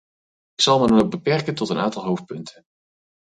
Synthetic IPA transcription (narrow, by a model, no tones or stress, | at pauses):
ɪksɑlˠmədɑnowɡ̚bəpɛɹkəntɔtəna̰ːntɑlˠɦowf̚pɵntʰən